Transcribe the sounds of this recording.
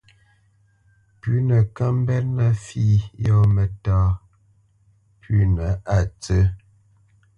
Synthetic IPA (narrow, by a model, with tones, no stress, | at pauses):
pʉ˦nə˨ka˦m˦bɛ˦t̚na˦fi˦˨jɔ˦mə˨taː˦ | pʰʉ˦nə˨˦a˦˨t͡sə˦